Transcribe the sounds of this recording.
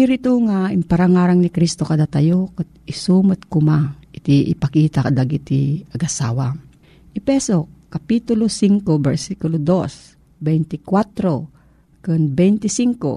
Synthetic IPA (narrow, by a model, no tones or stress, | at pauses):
hiɾɪt̪uŋaɪmpaɐɾaŋaːɾaŋnɪkɾist̪okɐd̪at̪ɐjokat̪̚ɪsumat̪̚kʊmaʔɪt̪iʔɪ̰pɐkiːt̪akad̪aɡit̪iɐɡɐsaːwa | ʔɪpɛsokːapit̪ʊlosiŋkobɛɾsikʊlod̪os | bɛjnt̪ɪkwat̪ɾo | kɨnbɛjnt̪ɪsiŋko̰